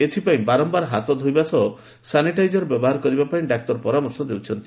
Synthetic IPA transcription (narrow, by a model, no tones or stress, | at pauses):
et̪ʰipaĩbaɾɔmbaɾɦat̪ɔd̪ʱojbasɔɔ | saniʈajd͡ʒɔɾbɔbɔɦaɾɔkɔɾibapaĩɖak̚t̪ɔɾpɔɾamɔɾsɔd̪ewt͡ʃʰɔnt̪i